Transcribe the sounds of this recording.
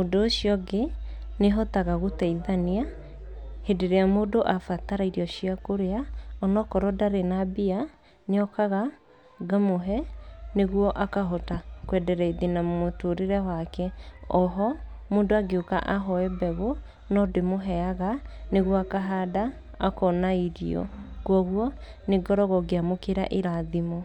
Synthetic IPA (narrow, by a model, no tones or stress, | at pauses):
odoːɕiɔɡeneɦɔtaɣaɣotɛiðania | hedeɾeamoːdoʔafataɾaiɾiɔɕiakoɾeaɔnɔkɔɾɔdaɾenabia | neɔkaɣa | ɡamoɦɛneɣwɔʔakaɦɔtakwɛdɛɾɛiðinamomotoɾeɾɛwakɛɔɦɔmoːndoaɡeoka̰ʔaɦɔɛbɛɣo | nɔdemoɦɛaɣaneɣwɔakaɦada | akɔnaiɾiɔ̰kwɔɣwɔ | neɡɔɾɔɣɔɡeamokeɾa̰ʔeɾaðimo